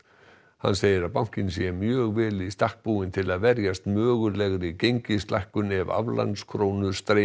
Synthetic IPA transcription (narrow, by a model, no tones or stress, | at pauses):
ha̰nseːjɪɾaðpawŋ̥cɪnsjɛmjœːɣvɛːlɪist̪ahk̚puːɪnt̪ʰɪlaðvɛɾjast̪mœːɣʏlɛɣɾɪcejɲcɪst̪la̰jhkʏnɛva̰vla̰nskʰɾoːwnʏst̪ɾe